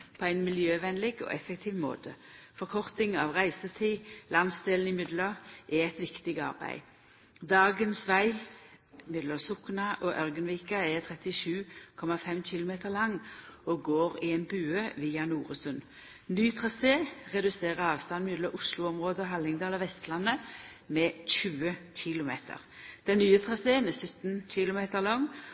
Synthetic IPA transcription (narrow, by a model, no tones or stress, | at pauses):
pʰɔæɪnmɪljøːʋɛnlɪɡo̰ʔɛfɛk̚t̪ʰiːʋmo̰ːt̪ʰəfɔʁkʰɔʁt̪ɪŋɑʋʁæɪsət̪ʰiːlɑnsd̪eːln̩ɪmʏd̪ləʔɛɛt̪ʋɪkt̪ɪɡɑ̰ʁbæ̰ɪ | d̪ɑːɡənsʋæɪ | mʏd̪ləsʊknɑʔɔʔœʁɡənʋiːkɑɛt̪ʰʁɛt̪ɪʃʉːkʰɔmɑfɛmçɪlʊmeːt̪əʁlɑŋːɔɡoːʁɪɛnbʉːøʋiːɑnuːʁəsʉn | nyːt̪ʰʁɑseːʁɛd̪ʉseːʁəɑːʋst̪ɑnmɪd̪lɔʔʊslʊɔmʁoːd̪əɔɦɑlɪŋd̪ɑːlɔʋɛst̪lɑnːə | mɛçʉːəɕɪlʊmḛːt̪ʰə̰ʁ | d̪̥ɛnːyːət̪ʰʁɑseːənɛsʉt̪nc͡çɪlʊmeːt̪əʁlɔŋː